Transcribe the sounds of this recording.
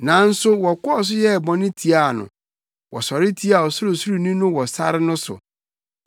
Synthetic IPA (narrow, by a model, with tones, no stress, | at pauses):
nã˨˦n̩˦sʊ˦wɔ˨kɔ˦ɔ˦s̬ʊ˦jɛ˦˨bɔ̃˨nɪ̃˦tʰi˨a˦˨nʊ̰̃˨ | wʔɔ˨sɔ˨ɾɪ˦tʰi˦a˨ɔ˨sʊ˦ɾʊ˨su˦ɾu˨nĩ˦nʊ̃˦wɔ˨sa̰˦ɾɪ˦nʊ̃˦sʊ̰˨